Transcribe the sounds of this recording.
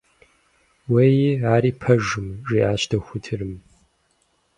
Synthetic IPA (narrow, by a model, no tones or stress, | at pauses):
wejaːɾiːpʰɐʒɨmʒiːʔaːɕtʰɐxʷʊtʰɨrɨm